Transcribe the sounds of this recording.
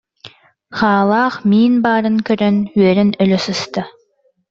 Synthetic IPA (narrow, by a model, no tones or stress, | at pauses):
χaːlˠaːχmiːnbaːɾɯŋkœɾœnyœɾɛnœlœsɯst̪a